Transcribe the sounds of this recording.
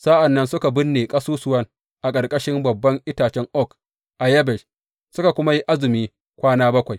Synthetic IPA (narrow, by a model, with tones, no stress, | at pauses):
sa˦ʔa˨nːɐ˦nsʊ˦ka˨bɪ˦nːeː˨kʼɐ˦suː˦sʊ˨wɐ˦ŋ | ʔa˨kʼɐ˨rkʼɐ˦ʃɪ˦mbɐ˨bːɐ˦ŋʔɪ˦taː˨t͡ʃɛ˦ŋʔɔ˦k | ʔa˨jɐ˦bɛ˨ʃ | sʊ˦ka˨kʷʊ˦ma˦ji˦ʔa˦zɪ˨miː˦ | kʷaː˦naː˦bɐ˦kʷa˨j